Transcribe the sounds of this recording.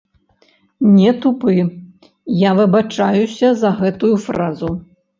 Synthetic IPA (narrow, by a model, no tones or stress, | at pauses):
nʲɛt̪upɨ | javɨbat͡ʂajusʲɐzɐɣɛt̪ujufɾazu